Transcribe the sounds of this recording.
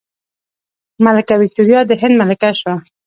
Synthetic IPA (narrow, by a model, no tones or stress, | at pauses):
malakawit̪uɾjɑd̪əɦɪ̃nd̪malɪkaʃwa